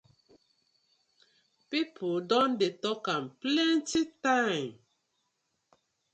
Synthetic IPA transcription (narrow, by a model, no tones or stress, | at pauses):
pipʰodɔ̃ndetɔkãmplɛ̃ntitãɪ̃m